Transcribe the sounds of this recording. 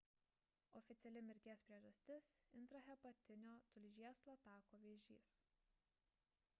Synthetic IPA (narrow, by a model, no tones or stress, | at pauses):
ɔfʲɪt̪sʲɛlʲɪmʲɪɾʲt̪ʲiɛspʲɾʲiɛʒɐsʲt̪ʲɪsɪnt̪ɾɐɦʲɛpɐt̪ʲɪnʲoːt̪ʊlʲʒʲiɛslˠɐt̪ɑːkoːʋʲeːʒʲḭːs